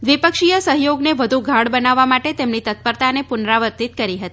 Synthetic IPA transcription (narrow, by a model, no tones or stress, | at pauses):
ʋipəkʃijəsəɦjoɡneʋəd̪ʱuɡʱaɽbənaʋːamaʈet̪emnit̪ət̪̚pəɾt̪anepʊnɾaʋəɾt̪it̪kəɾiɦət̪i